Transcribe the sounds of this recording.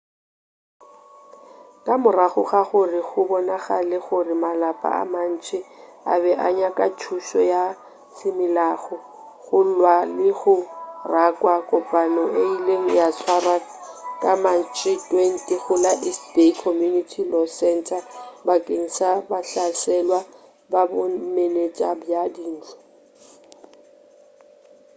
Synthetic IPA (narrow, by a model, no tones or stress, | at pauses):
kʼamʊraχʊɣaɣʊrɪɣʊbɔnaɣalɪɣʊrɪmalapʼa̰a̰man̩t͡ʃʼɪ | a̰bɛʔaɲakʼat͡ʃʰuʃɔ̰ja | sɪmɪlaːɣʊ | ɣʊlwalɪɣʊrakʼwakʼʊpʼanɔʔeileŋ̩jasʰwarakʼamat͡ʃʼitʼwɛn̩tʼiɣʊlaʔɪstekʰɔmjunitʰilɔsɛntʰabakʼeŋ̩sabaɬasɛlwa | babʊmelet͡ʃʼabjadiːn̩t͡ɬʰɔ̥